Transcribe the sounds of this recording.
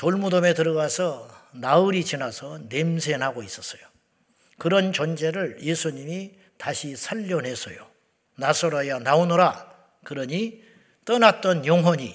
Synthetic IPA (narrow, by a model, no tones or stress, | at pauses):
toɭmudome̞tɯɾʌɣasʰʌnaɯɾit͡ɕinasʰʌne̞msʰe̞nɦaɡois͈ʌs͈ʌjo | kɯɾʌnt͡ɕʌnd͡ʑe̞ɾɯɭje̞sʰuɲimi | taɕʰisʰaʎːʌnɦe̞sʰʌ̰jo̰ | nasʰoɾajʌnaonoɾa | kɯɾʌɲi | t͈ʌnat̚t͈ʌnjoŋɦwʌɲi